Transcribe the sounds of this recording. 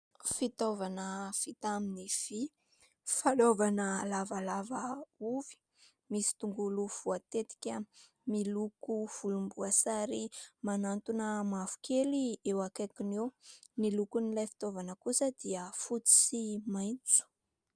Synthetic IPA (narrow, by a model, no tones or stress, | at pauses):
fit̪ovanəfit̪aminiv̥i | falovanəlavalavəuvi̥ | misi̥t̪uŋɡuluv̥uat̪et̪i̥kʲə | milukuv̥ulumbuasaɾimanant̪unəmafu̥kʰeliewakakinewnilukunilajfi̥t̪ovanəkusəd̪̥iəfut͡si̥simajnt͡su̥